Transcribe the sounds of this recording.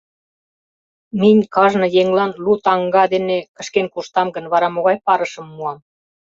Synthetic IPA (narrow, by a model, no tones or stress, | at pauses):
minʲkɑʒnɤ̆jeŋlɑnlut̪ɑŋɡɑd̪enekə̆ʃkenkuʃt̪ɑmɡənβɑɾɑmoɣɑjpɑɾəʃə̆mːuɑm